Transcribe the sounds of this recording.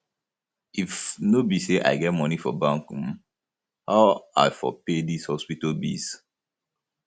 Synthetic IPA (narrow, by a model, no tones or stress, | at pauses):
ifnobiseʔa̰ɪɡɛt̚mɔnifɔ̰bãŋkm | haʊaɪfɔ̰pedishɔspitolbḭs